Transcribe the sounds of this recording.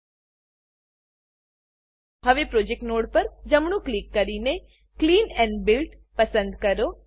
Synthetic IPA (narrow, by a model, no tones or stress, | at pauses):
həʋepɾod͡ʒek̚ʈnoɽpəɾd͡ʒəmɳũklikːəɾine | kliːnɛ̃ɳɖbɪlʈpəsə̃nd̪kəɾo